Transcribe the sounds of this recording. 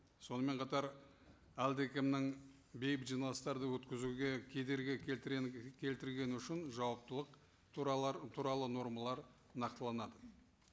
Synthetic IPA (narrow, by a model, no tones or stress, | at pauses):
so̞nəme̞ɴqʰɑt̪ɑɾ | æld̪ekʲɪmnɪŋ | be̞jɪpʒijnˠɑst̪ɑɾd̪əwɵt̪kʲɪzuɡʲe̞kʲʰe̞d̪e̞ɾɡʲɪ | kʲʰe̞lt̪ɪɾɡʲe̞nʏʃɪnʒɑwɑp̚t̪əlˠəq | t̪ʰuɾɑlˠəno̞ɾmɑlˠɑɾ | nɑqt̪əlˠɑnɑd̪ə